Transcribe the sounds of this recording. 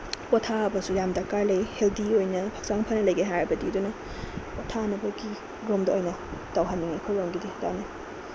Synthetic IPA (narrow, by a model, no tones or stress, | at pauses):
pɔtʰaɐbɐsuɾamdakalejheldiojnɐpʰak̚saŋpʰanɐlɐjɡajɦajɾɐbɐdiwdunɐ | otʰanɐbɐɡi | ɡɾomdɐojnɐtawɦanːiŋekʰojɾawŋɡidida̰ni